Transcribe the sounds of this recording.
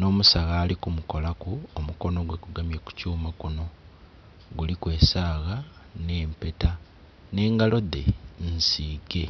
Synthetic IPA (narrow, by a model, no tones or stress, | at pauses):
no̞ːmusaɣaːlikumuko̞lakuomuko̞no̞ɡwe̞kuɡamjeku̥cuːmakuno̞ | ɡulikwe̞ːsaːɣa | ne̞ːmpe̞ta | ne̞ːŋɡalo̞ðe̞nsiːɡe̞